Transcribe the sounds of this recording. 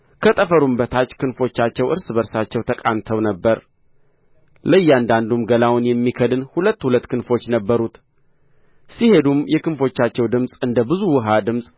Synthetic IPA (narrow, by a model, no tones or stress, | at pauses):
kʰət̪ʼəfəɾumbət̪ʰat͡ʃːkʰɨnfo̞t͡ʃːat͡ʃːɛwʔɨɾsɨbəɾsat͡ʃːɛwt̪ʰəkʼamt̪ʰəwnəbːəɾ | ləjːand̪and̪umɡəlawʊnjɛmːikʰəd̪ɨnhulət̪ːhulət̪ːkʰɨnfo̞t͡ʃːnəbːəɾut̪ | sihe̞d̪umjɛkɨnfo̞t͡ʃːat͡ʃːɛwd̪ɨmsʼɨnd̪əbɨzuwɨɦad̪ɨmsʼ